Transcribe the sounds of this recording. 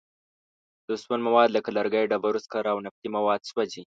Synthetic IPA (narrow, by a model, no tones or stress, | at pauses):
d̪̥əswanmawɑd̪lakalaɾɡajɖabaɾuskaɾawnaft̪imawɑd̪̚swad͡ʒi